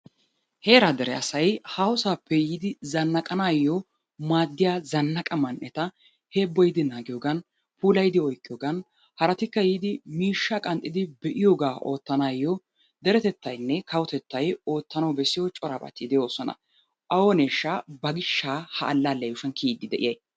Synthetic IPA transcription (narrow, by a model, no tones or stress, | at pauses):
heːɾad̪ɛɾɛɐsɐjhaːwʊsaːpːɛjiːd̪ɪzɐnːɐkʼɐnaːjːɔ | maːd̪ːɪjaːzɐnːɐkʼɐmɐnʔɛt̪ɐ | he̞ːbːɔjɪd̪ɪnaːɡɪjoːɡɐn | puːlɐjɪd̪ɪɔjkʼːɪjoːɡɐn | hɐɾɐt̪ɪkːɐjiːd̪ɪmiːʃːakʼɐnt̪ʼːɪd̪ɪbɛʔɪjoːɡaːʔo̞ːt̪ːɐnaːjːɔ | d̪ɛɾɛt̪ɛt̪ːɐjnːɛkɐwɔt̪ɛt̪ːɐjo̞ːt̪ːɐnɐwbɛsɪjɔt͡ʃʼɔɾaːbɐ̰t̪ːid̪ɛjoːsɔnɐ̰ | ʔɐwɔne̞ːʃːabɐɡɪʃːaːhɐʔːlːaːlːɐjʊʃɐnkʰiːd̪ːɪd̪ɛʔɪjɐj